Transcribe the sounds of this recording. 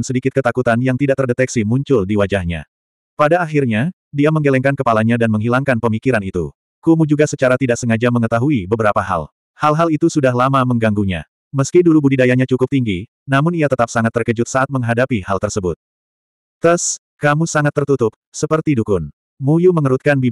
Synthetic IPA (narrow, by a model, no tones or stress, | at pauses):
nsədikɪt̪̚kət̪akut̪anjaŋt̪idaʔt̪ərdet̪ɛksimuɲt͡ʃʊldiwad͡ʒahɲa̰ | padaːɦirɲa | diaməŋɡelɛŋkankəpalaɲadanməŋɦilaŋkanpəmikiɾanit̪ṵ | kumud͡ʒuɡasət͡ʃaɾat̪idaʔsəŋad͡ʒaməŋət̪aɦuibəbəɾapaɦa̰l | halɦalit̪usudahɦlamaməŋɡaŋɡuɲa̰ | məskidulubudidajaɲat͡ʃukʊp̚t̪iŋɡi | namʊniat̪ət̪ap̚saŋat̪ːərkəd͡ʒʊt̪̚saʔat̪̚məŋɦadapihalt̪ərsəbʊt̪̚ | t̪əs | kamusaŋat̪ːərt̪ut̪ʊp̚səpərt̪idukʊn | mujuməŋəɾut̪̚kanbi